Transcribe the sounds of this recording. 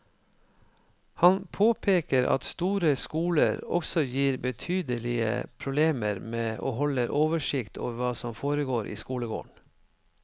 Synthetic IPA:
hɑnpʰoːpʰeːkəɾʔɑ̰t̪st̪uːɾəskuːlə̰ɾɔ̰ksɔjiːɾbət̪ʰyːd̪əlɪə̰pʰɾʊbleːməɾmeːʔo̰ːɦɔləɾʔoːʋəʂɪkt̪ʰo̰ːʋʋɑːsɔmfoːɾəɡoːɾʔḭːskuːləɡo̰ːɳ

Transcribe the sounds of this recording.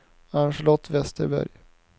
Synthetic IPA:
anʂəlɔt̪ʰːvɛst̪əɾbæ̰ɾj

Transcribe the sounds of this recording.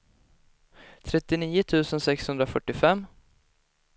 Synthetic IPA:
t̪ʰɾɛt̪ːɪniːʊt̪ʰʉ̟ːsənsɛkshɵnd̪ɾafœʈːɪfɛmː

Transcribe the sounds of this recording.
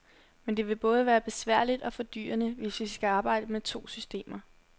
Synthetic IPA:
mend̥e̝ʋe̝b̥ɔ̽ːð̞ˠəʋæːɐb̥e̝sʋæɐ̰lid̥ɒ̽fɒ̽d̥y̰ːɐnəʋe̝sʋisɡ̥æɑ̈ːb̥ɑ̈ɪ̰d̥əmet͡sʰo̝̰ːsysd̥e̝̰ːmɐ

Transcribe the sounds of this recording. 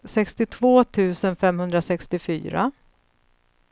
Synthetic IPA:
sɛkst̪ɪt̪ʰvoːt̪ʰʉ̟ːsənfɛmhɵnd̪ɾasɛkst̪ɪfy̰ːɾa̰

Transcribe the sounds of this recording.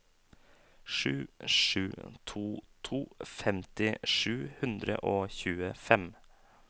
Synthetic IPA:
ʂʉ̰ːʂʉ̰ːt̪ʰuːt̪ʰuːfɛmt̪ɪʂʉːhʉnd̪ɾə̰ʔoːçʉːəfɛm

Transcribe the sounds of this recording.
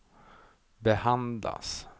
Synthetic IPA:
bɛhand̪la̰s

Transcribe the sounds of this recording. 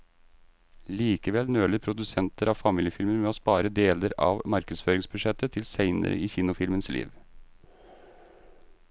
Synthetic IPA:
liːkəʋɛlnøːləpʰɾʊd̪ʉsɛnt̪əɾɑʋfɑmiːljəfɪlmənmɛoːspɑːɾəd̪eːləɾɑ̰ʋmɑɾkəd̪sføːɾɪŋsbʉʂɛt̪ət̪ʰɪlsæɪnə̰ɾə̰ʔiːçiːnʊfɪlmənslḭːʋ

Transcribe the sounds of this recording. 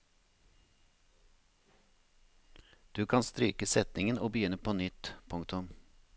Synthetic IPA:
d̪̥ʉːkʰɑnst̪ɾyːkəsɛt̪nɪŋənoːbəjʏnəpʰoːnʏt̪pʰʊŋkt̪ʊm

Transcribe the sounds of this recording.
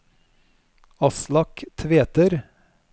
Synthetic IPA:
ɑslɑkt̪ʰʋeːt̪əɾ

